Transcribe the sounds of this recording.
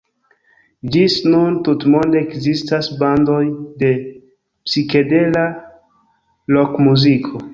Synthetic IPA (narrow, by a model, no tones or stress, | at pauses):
d͡ʒisnuntutmo̞nde̞ːkzistasbando̞jde̞ | psike̞dela | lokmuzikʰo